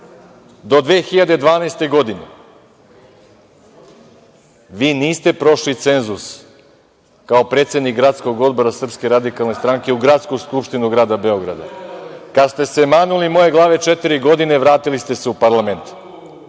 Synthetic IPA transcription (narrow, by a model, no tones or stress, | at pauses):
d̪o̞d̪ʋeːxiʎad̪e̞d̪ʋaːnaest̪e̞ɡo̞d̪ine̞̰ | ʋiːniːst̪e̞pɾo̞ʃlit̪se̞nzus | kao̞pɾe̞ːt̪sed̪nikɡɾat̪sko̞ɡo̞d̪bo̞ɾasr̩pskeɾad̪ikalˠnest̪ɾaŋkeuɡɾat̪skuskupʃt̪inuɡɾaːd̪abe̞o̞ɡɾa̰d̪a̰kad̪st̪e̞se̞maːnulimo̞je̞ɡlˠaːʋe̞t͡ʃe̞t̪iɾiɡo̞d̪ine̞ʋɾaːt̪ilist̪e̞seupaɾlˠame̞nt̪